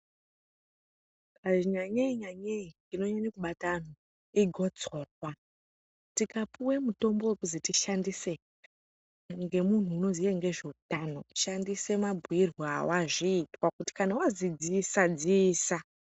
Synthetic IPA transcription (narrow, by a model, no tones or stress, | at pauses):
aʐiɲaɲeiɲaɲei | ino̞ɲaɲakuɓatan̤o | iɡʱo̞d͡zo̞rwa | tikapuwemuto̞mbo̞wekuzitiʃandise | ŋɡe̞mun̤uːno̞zieŋɡe̞ʐeutano̞ʃandise̞mabʱuirwaawaʐiːtwakuti̥kanawazid͡zisad͡ziːsa